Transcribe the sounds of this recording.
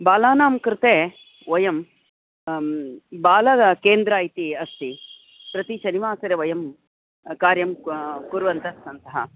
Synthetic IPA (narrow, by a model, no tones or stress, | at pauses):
baːlaːnaːmkɾɪt̪eː | ʋɐjɐm | baːlɐɐkeːnd̪ɾaːjt̪iɐst̪i | pɾɐt̪iʃɐniʋaːsɐɾeʋɐjɐm | kaːɾjɐmkuɾʋɐnt̪ɐɐnt̪ɐɦɐ̰